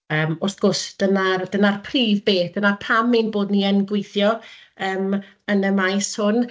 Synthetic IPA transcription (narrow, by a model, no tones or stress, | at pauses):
əːmɔrsɡ̥ʊsd̥ənard̥ənarpʰriːvbeːθd̥ənarpʰaminboːdniənɡwɪjθjɔəːm | ənəmajshʊn